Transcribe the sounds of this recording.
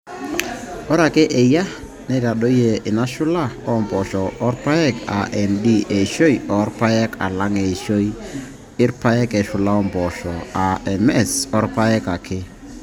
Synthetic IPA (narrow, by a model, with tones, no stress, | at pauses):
ɔ˦ɾa˨kɛ˦ʔɛ˨ja˦ | nɛ˦ɾa˨ɗo˦je˨ɪ˨na˦ʃʊ˦la˦˨ɔ˦mbɔ˨ʃɔː˨˦ɾpa˦ɛ˦˨ka̰˨ʔɛ˨ndi˦ʔe˨ʃo˦jɔ˨˦ɾpa˦jɛ˦ka̰˨la˦ŋe˨ʃo˦i˦ | ɪ˦ɾpa˦jɛ˦kɛ˨ʃʊ˨la˦ɔ˦mbɔ˨ʃɔ˨a˨ɛ˨mɛ˦˨sɔ˦ɾpa˦ɛ˦ka˨kʰɪ˦